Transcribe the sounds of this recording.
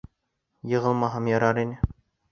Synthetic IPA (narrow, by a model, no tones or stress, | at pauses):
jɤ̆ʁɤ̆lˠmɑɦɤmjɒɾɑɾinɘ